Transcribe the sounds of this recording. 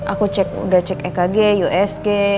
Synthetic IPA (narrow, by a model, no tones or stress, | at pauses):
ʔakut͡ʃɛk̚ṵdaht͡ʃɛkɛkaɡejuʔɛske